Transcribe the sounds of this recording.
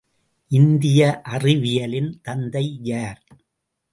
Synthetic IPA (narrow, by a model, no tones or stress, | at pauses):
ʔɪnd̪ɪjɐʔɐrɪʋɪjɐlɪnt̪ɐnd̪ɐɪjaːɾ